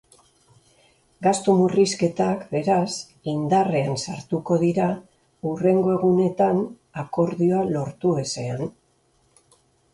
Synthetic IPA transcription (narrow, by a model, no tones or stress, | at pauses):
ɡast̪umuriske̞t̪akbe̞ɾas | ind̪are̞ansaɾt̪uko̞ðiɾa | ure̞ŋɡo̞e̞ɣ̞une̞t̪an | ako̞ɾðio̞alo̞ɾt̪ue̞se̞an